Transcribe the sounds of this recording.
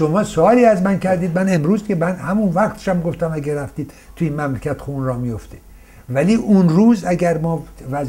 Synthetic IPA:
ʃomɒːsoɒːliːæzmæncʰæɾd̪iːd̪̚mæne̞mɾuːzd̪ikʰemænhæmunvæɣt̪ʰe̥ʃæmɡoft̪æmæɡeɾæft̪iːd̪̥ | t̪ʰuiːnmæmlecʰæt̪xunrɒːmijoft̪e | væliːʔunruːzæɟæɾmɒːvæz

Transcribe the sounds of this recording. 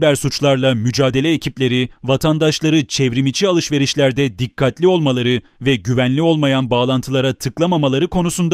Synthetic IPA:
bæɾsut͡ʃlˠaɾlˠamyd͡ʒaːd̪e̞lʲɛːcʰiplʲe̞ɾivat̪ʰand̪aʃlˠaɾɯt͡ʃʰɛvɾimit͡ʃʰialˠɯʃve̞ɾiʃlʲæɾd̪ɛd̪ikʰːat̪lʲio̞lˠmalˠaɾɯvɛɟyvænlʲio̞lˠmajanbaːlˠant̪ʰɯlˠaɾat̪ʰɯklˠamamalˠaɾɯkʰo̞nusund̪

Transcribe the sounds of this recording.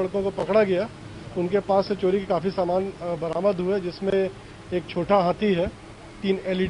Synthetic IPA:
ɐɽkõkopɐkɽaɡɐja | ʊnkepaːsːet͡ʃoːɾikekaːfisaːmaːnbɐɾaːməd̪ɦʊed͡ʒɪsmẽ | eːkt͡ʃʰoːʈaɦãːt̪ʰiɦɛː | t̪iːneːlɪ

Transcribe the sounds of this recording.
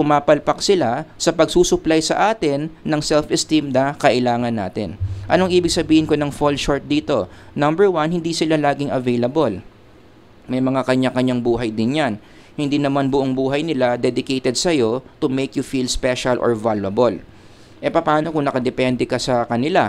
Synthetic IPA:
pʊmaːpɐlpɐksɪlasɐpɐɡ̚suːsʊplajsɐ̰ʔaːt̪ɪnːɐŋsɛlfɛst̪imnɐkɐʔɪlaːŋɐnːa̰ːt̪ɪ̰nʔɐ̰noŋʔiːbɪɡ̚sɐbiːhɪnko̞nɐŋfolʃoɹt̪̚d̪iːt̪o̞nɐ̃mbɛɹwanhɪnd̪isɪlalaːɡɪŋʔɐvejlɐbol | mɐjmɐŋakɐɲakɐɲaŋbuːɦɐjd̪ɪnjan | hɪnd̪iːnɐmanbʊʔoŋbuːɦɐjnɪlad̪ɛd̪ɪkejt̪ɛd̪̚sɐjo̞t̪ʊmejkjʊfilspɛʃɐlʔo̰ɹvalwɐbol | ʔɛpɐpaːno̞kʊŋnɐkɐd̪ɛpɛnd̪ɛkɐsɐkɐnɪla

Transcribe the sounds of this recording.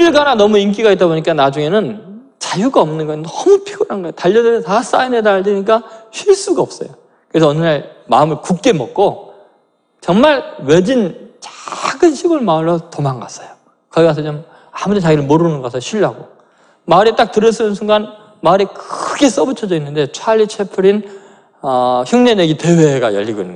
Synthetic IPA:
iɭɡananʌmuink̬͈iɡait͈aboɲik͈anad͡ʑuŋenɯn | t͡ɕajuɡaʌmnɯnɡʌjnʌmupʰiɡuɾanɡʌejotaʎːʌdenʌtas͈ainedaɭdeɲik͈aɕʰiɭs͈uɡaʌp̚s͈ʌ̰jo | kɯe̞s̬ʰʌːnːaɭma̰ɯmɯɭkuk̚k͈e̞mʌk̚k͈o | t͡ɕʌŋmaɭwe̞d͡ʑint͡ɕaɡɯnɕʰiɡuɭmaɯɭːʌtomaŋɡas͈ʌjo | kʌɡiɡas̬ʰʌt͡ɕom | amudet͡ɕaɡiɾɯɭmoɾunɯnɡʌasʰʌɕʰiɭːaɡo | maɾit͈ak̚tɯɾʌs͈ɯmɯns̬ʰuŋɡan | maɾikɯɯɡe̞s͈ʌbɯt͡ɕʰʌd͡ʑʌinːɯnde̞t͡ɕʰwaʎːit͡ɕʰe̞pʰuɾin | ʌçjuŋɲe̞neɡite̞we̞ɡa̰jʌ̰ʎːiɡoinːɯnɡ

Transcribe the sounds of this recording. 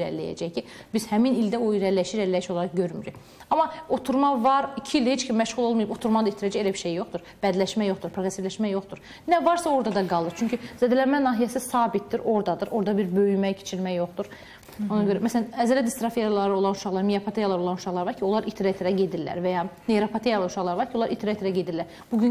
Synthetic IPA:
ɾæ̰ɾlːæ̰jæ̰d͡ʒɛjcʰibiz̥hæminilʲd̪æoiɾæɾlːæʃiɾællːæjiʃo̞lˠɑɾɑχɟøɾmyɾy̰ç | ɑmɑo̞t̪ʰuɾmɑvɑɾicʰiilʲd̪æhet͡ʃcʰymmæʃʁulˠolˠmuɯjɯbo̞t̪ʰuɾmɑd̪ɑit̪ʰɾɛd͡ʒɛelʲæbiɾʃejjo̞χt̪uɾ | b̥æd̪lʲæʃmæjo̞χt̪uɾpʰɾoɾesivlʲæʃmæjo̞χt̪uɾ | nævɑɾsɑo̞ɾd̪ɑd̪ɑɡɑlˠɯɾt͡ʃʰyɲcʰyzæd̪lænmænɑːɦijɛsisɑːbit̪̚d̪iɾo̞ɾd̪ɑd̪ɯɾo̞ɾd̪ɑbiɾbø̞jymɛcʰe̥t͡ʃʰiɾmæjo̞χt̪uɾ | o̞nɑɟøɾæmæsælænæzælæd̪ist̪ɾɑfijalˠɑɾɯo̞lˠɑnuʃɑχlˠɑɾmijapʰat̪ʰejalˠɑɾɯo̞lˠɑnu̥ʃɑχlˠɑɾvɑɾcʰio̞lˠɑɾit̪ʰɾat̪ʰeɾæɟe̞d̪iɾlːæ̰ɾvɛjɑːneɾopʰat̪ʰejalˠuʃɑχlˠɑɾɯvɑɾcʰio̞lˠɑɾit̪ʰɾaet̪eɾɛɟe̞d̪ilːæɾ | b̥uɟyn

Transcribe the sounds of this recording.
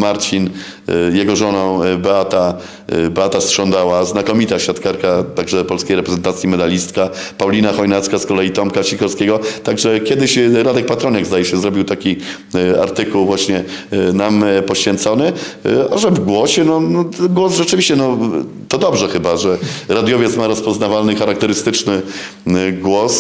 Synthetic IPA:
maɾt̪fʲin | jɛɡɔʐɔnɔ̃w̃bɛat̪a | bɛat̪astʂɔnd̪awaznakɔmʲit̪aɕfʲjat̪kaɾkat̪aɡʐɛpɔlskʲejɾɛpɾɛzɛnt̪at̪sʲjimɛd̪alʲist̪ka | pawlʲinaxɔjnat̪skaskɔlɛjit̪ɔmkaɕixɔɾskʲɛɡɔt̪aɡʐɛkʲjɛd̪ɘɕɾad̪ɛk̚pat̪ɾɔɲɛɡzd̪ajɛɕɛzɾɔbʲiwt̪akʲi | a̰ɾt̪ɘkuwvwaɕɲɛnampɔɕfʲjɛnt̪sɔnɘaʐɛvɡwɔɕɛnɔnɔɡwɔsʐɛt͡ʂɘvʲiɕt͡ɕɛnɔ | t̪ɔd̪ɔbʐɛxɘbaʐɛɾad̪jɔvʲjɛt̪smaɾɔspɔznavalnɘxaɾak̚t̪ɛɾɘst̪ɘt͡ʂnɘ | ɡwɔs

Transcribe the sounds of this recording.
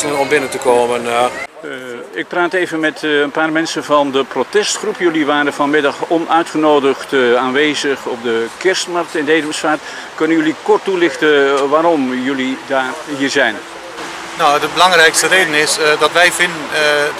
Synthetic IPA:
ənɔmbɪnəntəkoːmən | ɪk̚praːtejvənmɛtənpaːrmɛnsənvɑndəprotɛstχrupjɵliʋaːɾəvɑnmɪdɑχɔnœɥtχənowdəχtaːnʋeːzəχɔb̚dəkɪɹstmɑrk̚tɪndejdəməsfaːt | kɵnənjɵlikɔɹtulɪχtəʋaːɾɔmjɵlidaːrɦiːɹzɛjn | nɔwədəbəlɑŋrɛjkstəreːdənɪsdɑtʋɛjvɪndən

